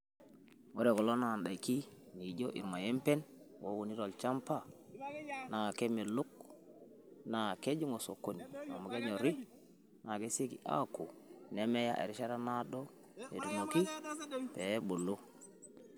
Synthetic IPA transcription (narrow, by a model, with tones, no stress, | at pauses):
wo˦ɾe˨ko˨lo˦na˨nda˨i˨ki˦ | ni˨ɟo˦ʔḭ˨ɾma˨je˦mpe˦n | wo˦wu˨ni˦ɾo˨lt͡ʃa˦mpa˦˨ | na˨ke˦me˨lu˦k̚ | na˨ke˦d͡ʒu˦ŋo˨so˨kːo˨ni˨a̰˨ma˨ke˦ɲo˨ɾi˦ | na˨ke˦se˦kḭ˨ʔa̰˦ku˨ne˦me˦ja̰˦ʔḛ˨ɾi˦ʃa˦ɾa˦na˦do˦ | ḛ˨du˨mo˨ki˦pe˨˦bo˨lːo˦